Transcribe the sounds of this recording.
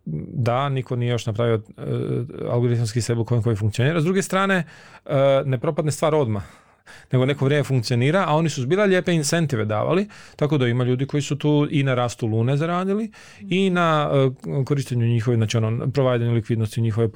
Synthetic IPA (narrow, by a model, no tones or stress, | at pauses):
d̪anikonije̞jo̞ʃnapɾaʋio | a̰lˠɡo̞ɾit̪mskisebuko̞jeŋkojifuŋkt̪io̞niːɾazd̪ɾuɡest̪ɾaːne̞əne̞pɾo̞pad̪nest̪ʋaːɾo̞d̪ma | ne̞ɡone̞koʋɾjemefuŋkt̪sio̞niːɾaao̞nisuzbiːlˠaʎeːpeinse̞nt̪iʋe̞d̪a̰ːʋa̰lit̪ako̞d̪aimaʎuːd̪iko̞jisut̪uːʔinaɾaːst̪ulˠuːne̞zaɾaːd̪ili | ina | koɾiʃt̪eɲuɲixoʋinaːt͡ʃionopɾoʋaːjd̪aɲulikʋid̪nost̪iuɲixoʋe